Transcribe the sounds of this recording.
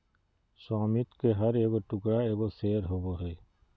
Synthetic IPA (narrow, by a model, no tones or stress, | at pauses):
sɔːmit̪keɦəɾeːɡoʈʊkɾaeːɡoseːɾɦoboɦeː